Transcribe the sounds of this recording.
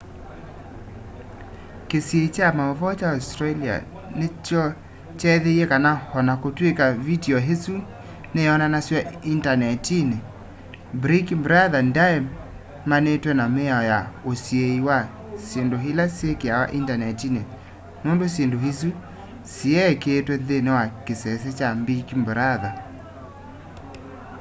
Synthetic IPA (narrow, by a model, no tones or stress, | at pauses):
kesjeit͡ʃamaɔvɔt͡ʃaɔstɾalia̰ | net͡ʃɔ | t͡ʃɛðeiɛkanahɔnakotwekavidiɔɦesu | neɔnanaswɛintanɛtine | bɾikibɾaðandaɛm | manetwɛnamɛɔjaosjeiwa | sjendoɦelasjekeawa̰ʔintanɛtine | nondosjendohis̬u | siɛkeːtwɛðenewakesɛs̬et͡ʃambikimbɾaða